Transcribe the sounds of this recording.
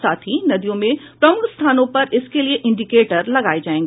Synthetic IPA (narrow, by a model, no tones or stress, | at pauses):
saːt̪ʰinɐd̪ijõmẽpɾɐmʊɡst̪ʰaːnõpɐɾɪskelieʔɪ̃ɳɖikeːʈəɾlɐɡaːid͡ʑaːẽːŋɡi